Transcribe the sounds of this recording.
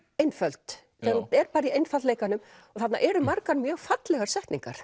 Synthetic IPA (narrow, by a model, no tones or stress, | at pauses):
ejnfœlt̪ | θɛaɾuɛɾpaːɾɪiejnfalleːjkanʏmɔɣθat̪na̰ʔɛɾʏmaɾkaɾmjœːɣfat̪lɛɣaɾ̥sɛht̪niŋkaɾ̥